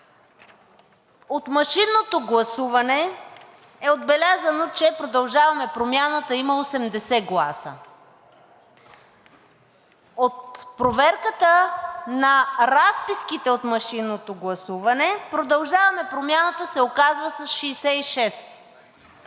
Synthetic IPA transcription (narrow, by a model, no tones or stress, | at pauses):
ot̪mɐʃinːot̪oɡlˠɐsuvɐnɛ | ɛod̪bɛlʲazɐnot͡ʃɛpɾod̪ɐlˠʒavɐmɛpɾomjanət̪əiməosɛmd̪ɛsɛɡlˠasə̰ | ot̪pɾovɛɾkət̪ənɐɾaspiskit̪ɛot̪mɐʃinːot̪oɡlˠɐsuvɐnɛpɾod̪ɐlˠʒavɐmɛpɾomʲjanət̪əsɛokazvəsɐsʃiːsɛiʃɛs